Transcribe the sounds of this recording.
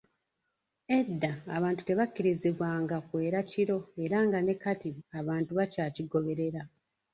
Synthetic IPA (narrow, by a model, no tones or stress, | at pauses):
e̞dːaːβaːntu̥te̞βakːiɾiziβwaːŋɡakwe̞ːɾaciɾo̞e̞ɾaŋɡane̞katiaβaːntuβacaːciɡo̞βe̞ɾe̞ɾa